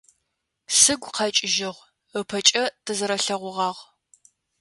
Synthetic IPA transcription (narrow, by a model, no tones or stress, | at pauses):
sɨɡʷqʰɐt͡ʃʼɪʒɪʁʷ | əpʰɐt͡ʃʼɐtʰɨzɨɾɐɬɐʁʷʊʁɑːʁ